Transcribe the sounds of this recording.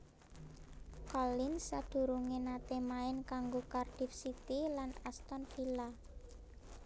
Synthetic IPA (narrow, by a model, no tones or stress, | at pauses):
kɔlɪnsad̪̥ṳɾuŋenat̪emaɪnkaŋɡokarɖ̥i̤fsit̪ilanast̪ɔnfila